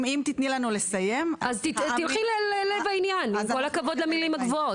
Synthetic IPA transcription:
mimt̪it̪nilanule̞saje̞mazt̪ittilχilelelevainjanimko̞lakavo̞d̪lamilimhaɡvoo

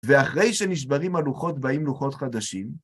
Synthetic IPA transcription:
veaχʁe̞jʃe̞niʃ̬baʁimaluχo̞tbaimluχo̞tχad̪aʃim

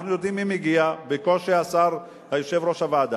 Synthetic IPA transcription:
χnujo̞d̪imːimiɡiabeko̞lʃeasaʁ | hajoʃe̞vɾo̞ʃavaːd̪a

